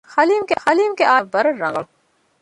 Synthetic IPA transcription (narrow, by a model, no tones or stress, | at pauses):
xɐliːmkexɐliːmkeʔaːʋbɐɾəɾːɐ̰̃ŋɡəɭ